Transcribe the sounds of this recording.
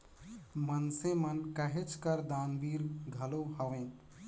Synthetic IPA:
mənsẽmənkəɦet͡ʃʰkəɾd̪anbiɾɡʱəloɦəʋẽ

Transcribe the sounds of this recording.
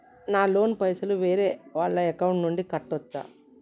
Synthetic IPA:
naːlo̞ːnpɐjsuluʋe̞ːɾe̞ːʋaːɭːɐekɐwɳʈnuɳɖikɐʈːɔt͡ʃːa̰ː

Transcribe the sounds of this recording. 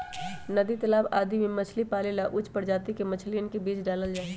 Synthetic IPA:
nɐd̪it̪ɐlaːbaːd̪imemɐt͡ʃʰlipaːlelaʔʊt͡ʃʰpɐɾd͡ʒaːt̪ikemɐt͡ʃʰliənkebiːt͡ʃɖaːləld͡ʒaːe

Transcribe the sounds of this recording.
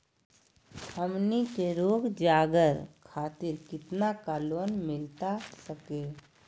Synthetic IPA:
həmnikeɾoːɡd͡ʒaːɡəɾkʰaːt̪ɪɾkɪt̪nakaːloːnmɪlt̪asəkeː

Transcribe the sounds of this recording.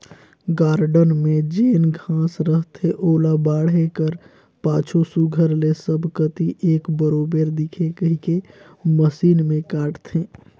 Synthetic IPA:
ɡaːɾɖənmẽd͡ʒeːnɡʱãːsɾəɦt̪ʰeʔoːlabaːɽ̤ekəɾ | pãːt͡ʃʰosuɡʱəɾlesəbʱkət̪iʔeːkbəɾoːbeɾd̪ikʰekəɦike | məsiːnmẽkaːʈt̪ʰe

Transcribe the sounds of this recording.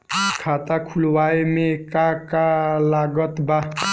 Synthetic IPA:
kʰat̪akʰulwajmekakalaɡʌt̪ba

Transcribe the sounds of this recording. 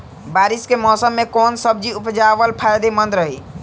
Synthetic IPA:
baɾiskemɔsəmːekonsəb̚d͡ʒiupd͡ʒaβəlpʰajd̪emənd̪ɾəɦi

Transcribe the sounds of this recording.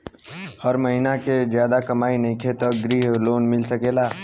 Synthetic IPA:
həɾməɦinaked͡ʒjaːd̪akəmaːinəĩkʰet̪ɔɡɾiɦloːnmɪlsəkeːlaː

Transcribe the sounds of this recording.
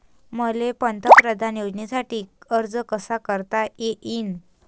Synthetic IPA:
məlepənt̪əkpɾəd̪ʱanjod͡znisaʈiːəɾd͡zəkəsakəɾt̪aeʔin

